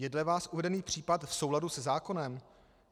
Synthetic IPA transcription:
jɛdlɛvaːsʔuvɛdɛniːpr̝̥iːpat̪fso̞wladusɛzaːko̞nɛm

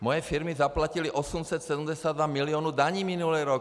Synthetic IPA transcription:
mɔjɛfiɾmizaplaciliʔɔsumsɛt̪sɛd̪um̩ɟɛsaːd̪ʋamiliɔːnud̪aɲiːminulɛːɾɔk

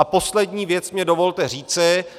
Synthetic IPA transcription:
apo̞slɛdɲiːvjɛt͡smɲɛdovo̞lt̪ɛriːt͡sɪ

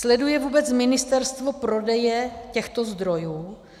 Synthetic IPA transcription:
slɛdujɛvuːbɛt͡smɪnɪst̪ɛɾst̪vo̞pɾo̞dɛjɛcɛxt̪ozd̪ɾo̞juː

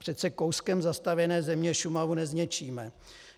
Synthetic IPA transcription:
pr̝̥ɛt̪sɛkowskɛmzast̪avjɛnɛːzɛmɲɛʃumavunɛzɲɛt͡ʃiːmɛ

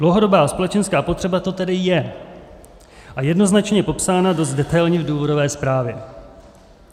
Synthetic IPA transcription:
d̥lowɦo̞do̞baːspo̞lɛt͡ʃɛnskaːpot̪r̥ɛbat̪o̞t̪ɛdɪjɛ | ʔajɛdno̞znat͡ʃɲɛpo̞psaːnado̞st̪dɛt̪ajlɲɪvduːvo̞do̞vɛːspɾaːvjɛ

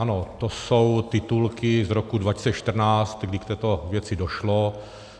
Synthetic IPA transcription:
anot̪osowt̪ɪt̪ulkɪzɾokudvacɪ̥sɛʃt̪r̩naːt͡st̪ɡdɪkt̪ɛːt̪ovjɛt͡sɪdoʃlo

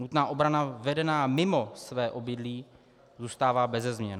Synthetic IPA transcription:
nut̪naːʔobɾanavɛdɛnaːmɪmo̞svɛːʔo̞bɪdliː | zuːst̪aːvaːbɛzɛzmɲɛn

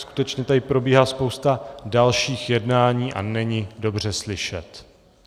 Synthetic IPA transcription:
sku̥t̪ɛt͡ʃɲɛt̪adɪpɾo̞biːɦalːspo̞wst̪adalʃiːxjɛdnaːɲiːʔa̰nɛɲɪdo̞br̝ɛslɪʃɛt̪

